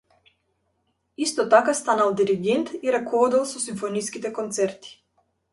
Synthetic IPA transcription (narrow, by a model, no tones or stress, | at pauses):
ist̪ɔt̪akast̪analˠd̪iɾiɡɛnt̪iɾakɔvɔd̪ɛlˠsɔsiɱfɔniskit̪ɛkɔnt̪sɛɾt̪i̥